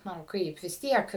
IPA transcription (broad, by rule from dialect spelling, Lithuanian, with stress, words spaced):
ˈnʊ ˈkɐɪp ʋʲɪs ˈtʲiɛk